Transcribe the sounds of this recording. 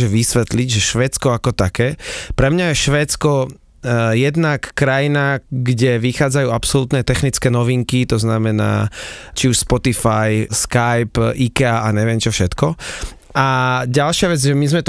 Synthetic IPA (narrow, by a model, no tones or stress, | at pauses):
ʒɛʋisʋɛt̪liɟʒɛʃʋɛːt͡skɔakɔt̪akɛːpɾɛmɲajɛʃʋɛːt͡skɔ | jɛd̪nakːɾajinaɡɟɛʋixaːd͡zajuːapsɔlut̪nɛt̪ɛxnit͡skɛːnɔʋiŋkit̪ɔznamɛna̰ːt͡ʃiuʃspɔt̪ifajskajpʔikɛaʔaɲɛʋɪɛmt͡ʃɔfʃɛt̪kɔ | aɟalʃɪaʋɛd͡zʒɛmizmɛt̪